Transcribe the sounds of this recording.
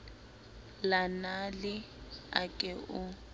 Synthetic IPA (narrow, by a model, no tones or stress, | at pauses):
lanalɪ | a̰kʼɛu